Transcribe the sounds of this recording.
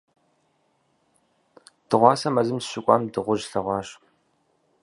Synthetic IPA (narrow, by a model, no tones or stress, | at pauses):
d̥ɨʁʷɑːsɐmɐzɨmsɕɪkʷʼɑ̰ːmdɨʁʷʊʒɬɐʁʷɑːɕ